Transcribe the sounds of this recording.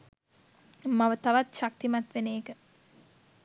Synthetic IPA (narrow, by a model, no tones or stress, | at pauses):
maʋət̪aʋat̪ʃak̚t̪imat̪ʋeneːkə